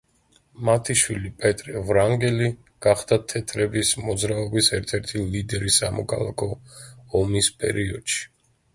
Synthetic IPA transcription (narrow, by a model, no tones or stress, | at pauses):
mat̪ʰiʃwilipʼɛt̪ʼɾɛvɾaŋɡɛli | ɡ̥aχd̪at̪ʰɛt̪ʰɾɛbismɔd̪zɾaɔbisɛɾt̪ʰɛɾt̪ʰilid̪ɛɾisamɔ̰kʰa̰lˠa̰kʰɔɔmispʼɛ̰ɾiɔd̪̥ʃi̥